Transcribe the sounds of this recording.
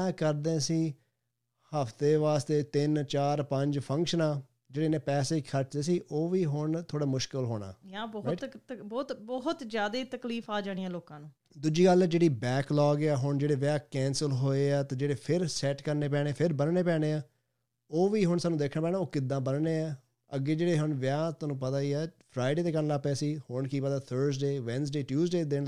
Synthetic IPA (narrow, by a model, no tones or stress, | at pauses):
ɛːkəɾd̪ẽːsiː | həfʰt̪eːʋaːst̪eːt̪ɪnt͡ʃaːɾpəɲd͡ʒpʰə̃ŋkʃənãː | d͡ʒeːɽeːnẽːpɛːseːikʰəɾt͡ʃd̪eːsiːʔoːʋiːɦʊɳt̪ʰoːɽaːmʊʃkɪlɦoːɽ̃a̰ːjãːbɔbɔːt̪bɔɦʊt̪zjaːd̪eːt̪əkliːfʰaːd͡ʒãːɽ̃ĩːãːloːkãːnũː | d̪ud͡ʒiːɡəlɛd͡ʒeːɽiːbɛːklɔːɡaːɦʊɳd͡ʒeːɽeːʋɪãːkɛ̃ːnsəlɦoːeːaːt̪ãːd͡ʒeːɽeːpʰɪɾsɛːʈkəɾneːpɛ̃ːɽ̃eːpʰɪɾbənneːpɛːɽ̃eːaː | oːʋiːɦʊɳsaːnːũd̪eːkʰːnãːpɛːnaːoːkɪd̪ːãːbənɳeːaː | əɡːeːd͡ʒeːɽeːɦʊɳʋɪãːt̪ʊːnũːpət̪aːiːɛːpʰɾaːɪɖeːt̪eːkənlaːpɛːsiːhʊɳkiːpət̪aːt̪ʰəɾsɖeːʋɛns̬ɖeːʈjuːsɖeːd̪eː